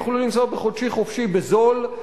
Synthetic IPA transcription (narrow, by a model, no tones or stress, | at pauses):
χolulimsobeχodʃiχofʃibezol